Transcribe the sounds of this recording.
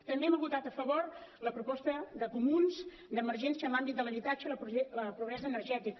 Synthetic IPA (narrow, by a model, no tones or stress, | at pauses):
t̪əmbeɛməβut̪at̪əfəβoɾləpɾupɔst̪əðəkumunz | d̪əməɾʒɛnsiənlambit̪d̪ələβit̪ad͡ʒələpləpɾuβɾɛzəːnərʒɛt̪ik